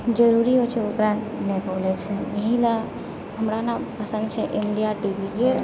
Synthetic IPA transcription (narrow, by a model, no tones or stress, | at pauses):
d͡ʒəɾuɾiɦot͡ʃʰɛokɾanɛkolɛt͡ʃʰɛjəɦĩlə | ɦəmɾanapəsə̃nd̪̚t͡ʃʰɛʔiɳɖijaʈibid͡ʒe